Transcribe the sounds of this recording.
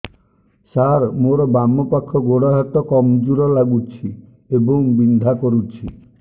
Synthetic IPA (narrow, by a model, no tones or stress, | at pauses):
saɾmoɾɔbamɔpakʰːɔɡoɽaɦat̪ɔkɔmd͡ʒuɾɔlaɡut͡ʃʰi | ebɔŋbind̪ʱakɔɾut͡ʃʰi